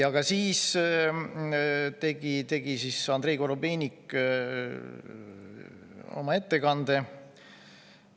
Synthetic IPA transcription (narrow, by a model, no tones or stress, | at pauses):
jɑɡ̥ɑsiːs | t̪e̞ɡ̥it̪e̞ɡ̥isisɑnd̪ɾe̞ːɡ̥o̞ɾobeːnʲikː | o̞̰mɑe̞t̪ːe̞kɑnd̪e̞